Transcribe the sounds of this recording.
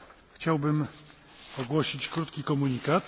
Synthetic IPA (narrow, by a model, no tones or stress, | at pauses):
xt͡ɕawbɘm | ɔɡwɔɕit͡ɕkɾut̪kʲikɔmuɲikat̪